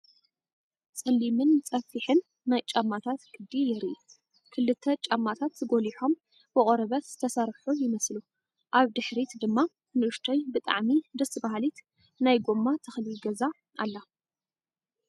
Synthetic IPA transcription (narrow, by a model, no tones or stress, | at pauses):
t͡sʼɐlːimɨnt͡sʼɐfiħɨnː | ajt͡ʃʼamːat̪ʰat̪ɡʰɨd̪ijɛɾi | kʰɨlːɨt̪ʰːɐt͡ʃʼamːat̪ʰat̪zɨɡo̞liħo̞m | bɨχʼɾɐβɐt̪z̥ɨt̪ʰɐsaɾħujɪmɐslu | ʔaβd̪ɨħɾit̪d̪ɨmːa | nɨʔɨʃt̪ʰojbɨt̪ʼa̰ʕmid̪ɐsɨbaɦlit̪ | najɡomːat̪ʰɨxlilɡɐza | ʔa̰lːa